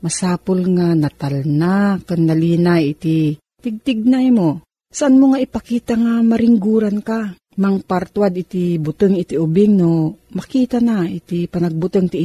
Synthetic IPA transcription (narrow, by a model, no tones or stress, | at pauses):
mɐsaːpʊlŋanɐt̪alnakaŋnaliːnajɪt̪i | t̪ɪɡ̚t̪ɪɡ̚najmo | saʔanmoŋaɪpakiːt̪aŋamaɾɪŋɡuːɾanka | maŋpaɾt̪wad̪ɪt̪ibʊt̪ɨŋɪt̪iʔʊbɪŋnomɐkiːt̪anait̪ipanaɡ̚bʊt̪ɨŋt̪i